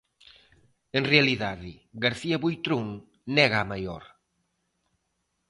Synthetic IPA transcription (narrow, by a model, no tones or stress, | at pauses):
eŋrealiðaðɪɡaɾθiɐβujt̪ɾuŋ | nɛɣaːmajɔ̰ɾ